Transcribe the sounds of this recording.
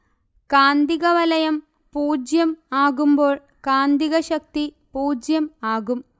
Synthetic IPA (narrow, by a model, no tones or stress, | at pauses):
kaːnd̪iɣɐʋɐlɐjɐm | puːd͡ʑjɐmaːɣumbo̞ːɭ | kaːnd̪iɣɐɕɐk̚t̪i | puːd͡ʑjɐmaːɣum